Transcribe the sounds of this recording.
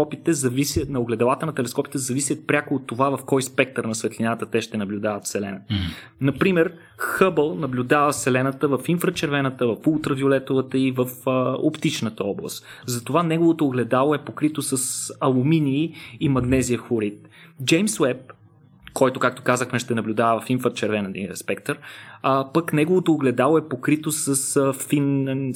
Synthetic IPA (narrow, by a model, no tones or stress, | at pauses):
ɔpit̪ɛzɐvisʲjət̪nɐoɡlɛd̪ɐlˠat̪ənɐt̪ɛlɛskɔpi̥t̪ɛzɐvisʲjət̪̚pɾʲakoːt̪ːovavɐfkɔjspɛk̚t̪əɾnɐsvɛt̪lʲinat̪ət̪ɛʃt̪ɛnɐblʲud̪avɐt̪fsɛlɛnɐ | nɐpɾimɛɾ | xɤbəlˠnɐblʲud̪avəsɛlɛnət̪əvɐfinfɾət͡ʃɛɾvɛnət̪əvɐfulˠt̪ɾəviolɛt̪ovət̪əivəfəo̰pt̪it͡ʃnət̪əɔblˠə̰st̪zɐt̪ovanɛɡovot̪oːɡlɛd̪alˠoɛpokɾit̪osəsɐlˠuminiːmɐɡnɛziəxʊɾit̪̚ | d͡ʒɛjmswɛp̚ | kɔjt̪okak̚t̪o̥kazəxmɛʃt̪ɛnɐblʲud̪avəvɐfinfɾət͡ʃɛɾvɛnəd̪ḭə̰spɛk̚t̪əɾpəknɛɡovot̪oːɡlɛd̪alˠoɛpokɾit̪osəsfin